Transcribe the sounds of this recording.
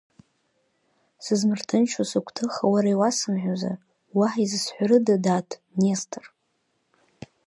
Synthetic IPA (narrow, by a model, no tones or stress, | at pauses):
sɨzmɨrtʰɨnt͡ʃʰasɨkʷʰtʰɨχawaɾaiwasɨmħᶣaza̰ | waħizɨsħʷaɾɨdadaːtʰʼnestʰɨr